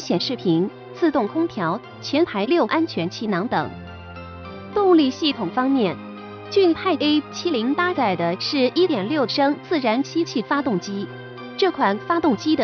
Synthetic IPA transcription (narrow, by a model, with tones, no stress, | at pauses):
ɕjɛ˨˩nʂɻ̩˥˩pʰi˧˥n | t͡sʰɹ̩˥˧t̪ʊ˥˩ŋkʰʊ˥ŋt̪ʰjɑ˧˥ʊ | t͡ɕʰjɛ˧˥npʰa˧˥ɪljo˥˩ʊʔa˥nt͡ɕʰɥɛ˧˥nt͡ɕʰi˧˥nɑ˧˥ŋt̪ɤ̰˨˩˦ŋ | t̪ʊ˥˧ŋli˥˧ɕi˥˩t̪ʰʊ˨˩ŋfɑ˥ŋmjɛ˥˩n | t͡ɕy˥˩p̪ʰa˥˧ɪe˥ɪt͡ɕʰi˥li˧˥ŋp̪a˥t͡sa˥˩ɪd̪ə˦ʂɻ̩˥˩i˥t̪jɛ˨˩nljo˥˩ʊʂɤ˥ŋt͡sɹ̩˥˩ɻa˧˥nt͡ɕʰi˥t͡ɕʰi˥˩fa˥t̪ʊ˥˩ŋt͡ɕi˥ | ʈ͡ʂɤ˥˩kʰwa˨˩nfa˥t̪ʊ˥˩ŋt͡ɕi˥d̪ə˨˩